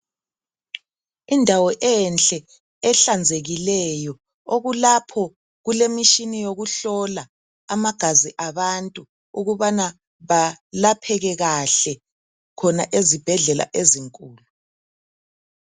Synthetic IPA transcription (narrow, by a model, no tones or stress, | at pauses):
indʱawɔʔɛnt͡ɬʼɛ | ɛɬand͡zʱeɣilɛjɔ | oɣulapʰɔ | ɣulemiʃinijoɣuɬɔla | amaɡ̥ʱaziʔaβantʼu | uɣuβana | βalapʰɛɣɛɣaɬɛ | kʰɔna̰ʔezib̥ʱɛɮɛla̰ʔeziŋkʼuːlu